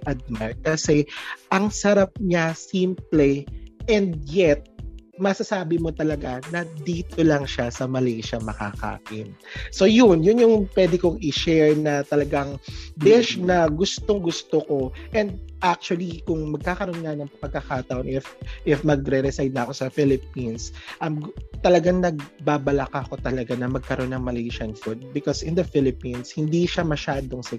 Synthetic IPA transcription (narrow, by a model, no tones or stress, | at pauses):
ʔɐd̪̚makɐsɛʔɐŋsɐɾap̚ɲasimplɛʔɛnd̪̚jɛt̪̚mɐsɐsaːbɪmo̞t̪ɐlɐɡanɐd̪iːt̪olɐŋʃasɐmɐlɛjʃɐmɐka̰ka̰ːʔɪnso̞jʊnjʊnjʊŋpwɛd̪ɪkoŋɪʃɛɹnɐt̪ɐlɐɡaŋd̪ɪʃnɐɡʊst̪oŋɡʊst̪oko̞ʔɛnd̪̚ʔak̚t͡ʃʊwɐlikʊŋmɐɡ̚kaːkɐɾo̞nŋɐnɐŋpɐɡ̚kːɐkaːt̪ɐʔonʔɪfʔɪfmɐɡɾɛɾɛsajd̪̚nɐɐko̞sɐfɪlɪp̚insʔɐmt̪ɐlɐɡaŋnɐɡ̚baːbɐlakako̞t̪ɐlɐɡanɐmɐɡ̚kɐɾʔo̞nːɐŋmɐlɛjʃɐnfʊd̪̚bɪkosɪnd̪ɐfɪlɪpinshɪnd̪iʃamɐʃaːd̪oŋsɐ